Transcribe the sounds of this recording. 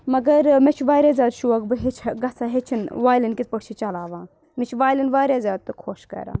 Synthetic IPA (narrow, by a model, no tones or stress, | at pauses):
mɐɡɐɾmet͡ʃʰiʋaːɾʲjaːzʲaːd̪ʃuɐkbɨɦet͡ʃʰɡɐsʰaːɦet͡ʃʰinʋaːjlinkit̪̚ʰpɐɽt͡ʃʰit͡ʃɐlaːʋãː | mit͡ʃʰiʋaːjlinʋaːɾʲjaːzʲjaːd̪̚t̪ɨkʰoːʃkɐ̰ɾa̰ː